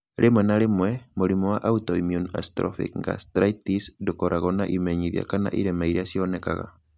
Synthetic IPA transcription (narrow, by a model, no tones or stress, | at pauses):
ɾʔemwɛnaɾemwɛmoɾimɔwaʔautɔimjuna̰stɾɔ̰fḭkŋɡa̰stɾaitisndokɔɾʔaɣɔnaʔimɛɲiðia̰kana̰ʔḭɾɛmaiɾeasiɔnɛka̰ɣa̰